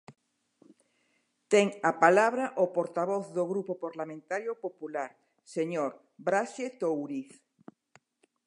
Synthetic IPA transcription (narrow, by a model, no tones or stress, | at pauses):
t̪ɛŋapalaβɾaʔopoɾt̪aβ̞ɔθðoɣɾupopaɾlamẽnt̪aɾjopopulaɾ | seɲoɾ | bɾaʃet̪owɾiθ